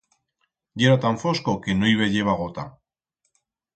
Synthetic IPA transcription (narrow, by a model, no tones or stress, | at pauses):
ɟ͡ʝeɾat̪aɱfo̞sko̞ke̞noiβe̞ʎe̞β̞aɣ̞ot̪a